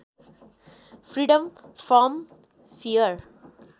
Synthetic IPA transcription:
fɾiːɖə̃mfɾɔ̃m | fiəɾ

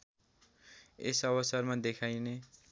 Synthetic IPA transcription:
esʌβʌsʌrmad̪ekʰajne

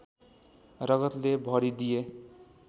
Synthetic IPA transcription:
rʌɡʌt̪lebʱʌɾid̪ije

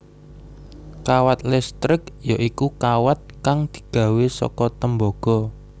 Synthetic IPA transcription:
kawat̪̚lɛst̪ɾɪkjaʔikukawat̪̚kaŋd̪̥i̥̤ɡ̥ä̤wesɔ̰kɔt̪əmbɔɡ̥ɔ̤

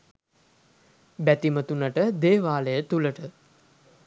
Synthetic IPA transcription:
bæt̪imət̪unəʈəd̪eːʋaːləjət̪uləʈə

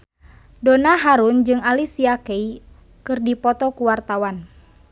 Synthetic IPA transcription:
donaɦaɾund͡ʒɨŋalisiakei | kɨrdipɔt̪ɔkuwart̪awan

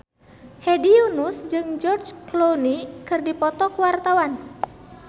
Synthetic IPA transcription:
hediunusd͡ʒɨŋd͡ʒɔrd͡ʒklonikɨrdipɔt̪ɔkuwart̪awan

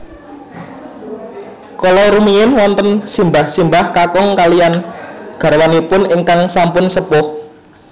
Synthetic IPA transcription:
kɔlɔɾumiɪnwɔnt̪ənsimbahsimbahkakɔŋkalijanɡ̥a̤ɾwanipʊnɪŋkaŋsampʊnsəpʊh

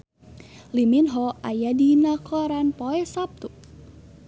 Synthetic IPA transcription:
liminɦɔajadinakʰɔɾanpɔɛsap̚t̪uʔ

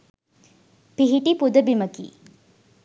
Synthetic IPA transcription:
piɦiʈipud̪əbimɐkḭː

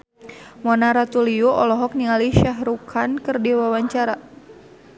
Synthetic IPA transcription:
mɔnaɾat̪uliɔʔɔlɔɦɔk̚niŋaliʃaɦɾukʰankɨrdiwawaɲt͡ʃaɾa

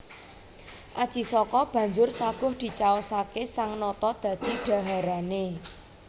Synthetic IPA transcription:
ʔad̥ʒ̥i̤sɔkɔb̥ä̤ɲd͡ʒʊrsaɡ̥ʊ̤hd̪̥i̤t͡ʃaosakesaŋnɔt̪ɔd̪̥ä̤d̪̥iɖ̥ä̤ɦaɾane

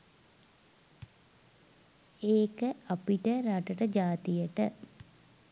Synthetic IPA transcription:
eːkəapiʈəɾaʈəʈəd͡ʒaːt̪ijəʈə

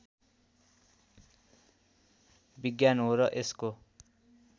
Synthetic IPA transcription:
biɡjanɦoɾʌʔesko

